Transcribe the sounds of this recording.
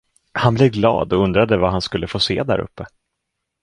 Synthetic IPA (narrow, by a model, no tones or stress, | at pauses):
hanbleːvɡlɑ̰ːd̪ɔɵnd̪ɾad̪əvaɦanskɵlːəfoːseːd̪æ̰ɾɵ̰pːə